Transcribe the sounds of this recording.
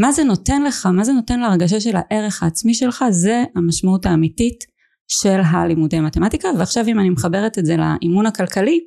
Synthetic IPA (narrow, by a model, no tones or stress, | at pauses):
mazeno̞te̞nle̞χamaze̞no̞te̞nleaʁɡaʃ̬aʃe̞lhaʔe̞ʁe̞χaːt͡smiʃe̞lχaze̞amaʃmautaːmitit | ʃe̞lɦalimudeamatematikaveaχʃavimanimeχabe̞ʁetezela̰ʔimunakalkali